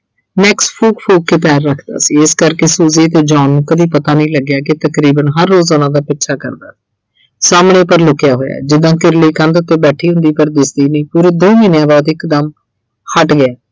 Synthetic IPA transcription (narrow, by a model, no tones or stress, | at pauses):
nɛːkspʰuːkpʰuːkːeːpɛːɾːəkʰd̪a̰ːsiːɪskəɾkeːsuːzeːət̪eːd͡ʒaːnũːkəd̪iːpət̪aːnəĩːləɡjaːkɪt̪əkɾiːbənɦəɾːoːzoːnãːd̪aːpɪtːʃʰaːkə̰ɾd̪a̰ːsi̥ː | saːmɳeːpəɾlʊkɪjaːɦoːja̰ːd͡ʒɪd̪ãːkɪɾliːkə̃nd̪ʊt̪ːeːbɛːʈʰiːɦʊ̃nd̪iːpəɾd̪ɪsd̪iːnəiːpuːɾeːd̪oːmiːnjãːbɔːt̪ɪkd̪əm | hʰəʈɡɪaː